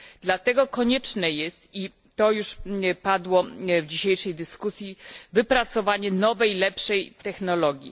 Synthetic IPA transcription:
d̪lat̪ɛɡɔkɔɲɛt͡ʂnɛjɛst̪i | t̪ɔjuʂpad̪wɔvd͡ʑiɕejʂɛjd̪ɘskusʲjivɘpɾat̪sɔvaɲɛnɔvɛjlɛpʂɛjt̪ɛxnɔlɔɡʲjḭ

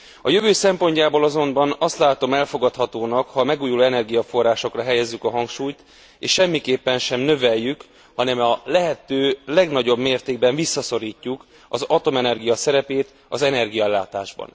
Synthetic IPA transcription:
ɒjøvøːsɛmpo̞ɲcaːboːlɒzo̞mbɒnɒst̪laːt̪o̞mɛlfo̞ɡɒt̪hɒt̪oːnɒkhɒːmɛɡuːjuloːɛnɛrɡijɒfo̞rːaːʃo̞krɒɦɛjɛzːykɒɦɒŋkʃuːjt̪ | eːʃʃɛmːikeːpːɛnʃɛmnø̞vɛjːyk | hɒnɛmɒlɛɦɛt̪øːlɛɡnɒɟo̞bmeːrt̪eːɡ̚bɛɱvisːɒso̞ɾiːcːuk | ɒzɒt̪o̞mɛnɛrɡijɒsɛɾɛpeːt̪ | ɒzɛnɛrɡijɒɛlːaːt̪aːʒbɒ̰n

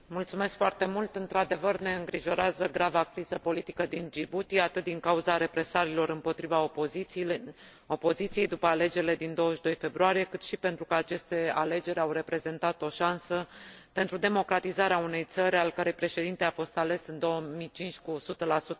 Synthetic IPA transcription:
mult̪sume̞skfoart̪emult̪ɨnt̪ɾad̪e̞vərne̞ɨŋɡɾiʒo̞ɾeazəɡɾavakɾizəpo̞lit̪ikəd̪ind͡ʒibut̪iat̪ɨt̪̚d̪iŋkauzaɾe̞pɾe̞saɾilo̞ɾɨmpo̞t̪ɾiva | o̞po̞zit̪sijejd̪upəale̞d͡ʒe̞ɾile̞d̪ind̪o̞wəʃd̪o̞jfe̞bɾuaɾije̞kɨt̪ʃipent̪ɾukəat͡ʃe̞st̪e̞ale̞d͡ʒe̞ɾʲawre̞pɾe̞ze̞nt̪at̪o̞ʃansəpe̞nt̪ɾud̪e̞mo̞kɾat̪izaɾeaune̞jt̪səɾʲalkaɾe̞jpɾe̞ʃe̞d̪int̪e̞afo̞st̪ale̞sɨnd̪o̞wəmit͡ʃint͡ʃʲkusut̪əlasut̪ə

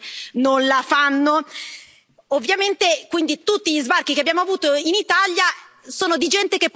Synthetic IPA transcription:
nonlafanːo | ovːjament̪ekwind̪it̪ut̪ːiʎizbark̟ikeabjaːmoavuːt̪oinit̪alja | soːnod̪id͡ʒɛnt̪ek̟epː

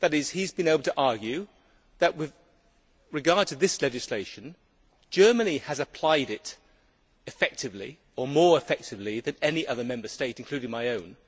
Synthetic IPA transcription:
ðɨɾɪz̥hizbɨ̃neɪbl̩ˠtʰəʔɑɹɡjʉ | ðɨʔwɪð | ɹɨɡɑɹd̚tʰɨðɪslɛd͡ʒɨsleɪʃɨ̃n̩ | d͡ʒɜ˞mɨniɨzɨpʰl̥aɪɾɪɾ | ɨfɛk̚tɨvlḭ | ə˞mɔɹɨfɛk̚tɨvliðɨ̃nɛniʔʌðə˞mɛ̃mbə˞steɪɾɨ̃n̩kʰl̥ʉɾɪ̃ŋmaɪõʊ̃n

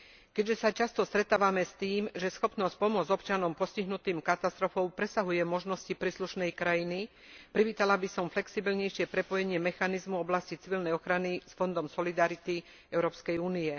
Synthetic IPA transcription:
kɛɟʒɛsat͡ʃast̪ɔst̪ɾɛt̪aːʋamɛst̪iːmʒɛsxɔpnɔsc̚pɔmʊɔd͡zɔpt͡ʃanɔmpɔsciɦnut̪iːmkat̪ast̪ɾɔfɔʊpɾɛsaɦujɛmɔʒnɔscipɾiːsluʃnɛjkɾajini | pɾiʋiːt̪alabisɔmflɛksibilɲɛjʃɪɛpɾɛpɔjɛɲɪɛmɛxanizmuɔblascit͡siʋilnɛjɔxɾanisfɔnd̪ɔmsɔlid̪aɾit̪i | ɛʊɾɔːpskɛjuːnijɛ

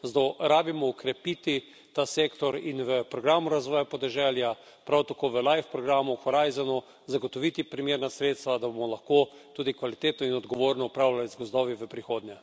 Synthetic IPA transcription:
zd̪ɔɾaːbimɔːkɾɛpit̪i | t̪aseːkt̪ɔɾinʋəpɾɔɡɾaːmuɾazʋɔːjapɔd̪ɛʒɛlja | pɾawt̪akoːʋəlajfpɾɔɡɾaːmuxɔɾajzanɔ | zaɡɔt̪ɔʋit̪ipɾimeːɾnasɾet̪st̪ʋad̪abomɔlaxkoːt̪uːd̪ikʋalit̪eːt̪nɔinɔd̪ɡɔʋoːɾnɔupɾawlalizɡɔzd̪ɔːʋiʋəpɾixoːd̪nɲjɛ

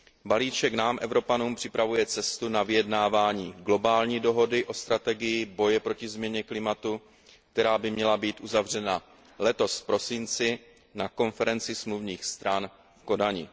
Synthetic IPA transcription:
baliːt͡ʃɛknaːmʔɛvɾo̞panuːmpr̥ɪpɾavujɛt͡sɛst̪unavɪjɛdnaːvaːɲiːɡlo̞baːlɲiːdo̞ɦo̞dɪʔo̞st̪ɾat̪ɛɡɪjɪbo̞jɛpɾo̞cɪzmɲɛɲɛklɪmat̪u | k̚t̪ɛɾaːbɪmɲɛlabiːt̪ʔuzavr̝ɛna | lɛt̪o̞sfpɾo̞sɪnt͡sɪ | nako̞nfɛɾɛnt͡sɪsmluvɲiːxst̪ɾan | fko̞daɲɪ̰

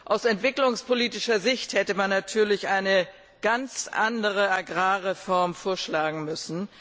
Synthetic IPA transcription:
ʔaʊsɛntv̥ɪklʊŋspoliːtɪʃɐzɪçthɛtəmanːatʰyːɐlɪçʔaɪnə | ɡ̥ant͡sʔandəʁ̞əaɡʁaːʁefɔɐmfoːɐʃlaːɡŋ̩mʏsn̩

